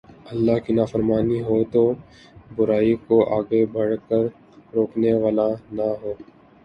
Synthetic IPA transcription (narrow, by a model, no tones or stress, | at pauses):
ɐlːaːɦkinaːfəɾmaːniɦoːt̪oː | bʊɾaːikoʔaːɡebɐɽkəɾ | ɾoːkneʋaːlanaɦoː